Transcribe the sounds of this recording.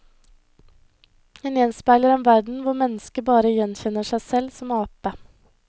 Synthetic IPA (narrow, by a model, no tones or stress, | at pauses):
eːneːnspæɪləɾeːnʋæɖɳ̩ʋʊɾmɛnəskəbɑːɾəjɛnçɛnəʃæɪsɛlsɔmɑːpə